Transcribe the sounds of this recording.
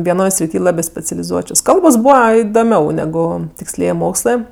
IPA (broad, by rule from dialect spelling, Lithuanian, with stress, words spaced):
ʋʲiɛˈnoːj sʲrʲɪˈtʲiː ˈlˠɑːbʲeː sʲpʲɛt͡sʲɛlʲɪˈzuɔt͡ʃʲoːs ˈkɐlˠboːs ˈbuːʋɐ ɪdoːˈmʲɛʊ nʲɛˈɡʊ tʲɪksʲˈlʲiɛj ˈmoːkslˠɜ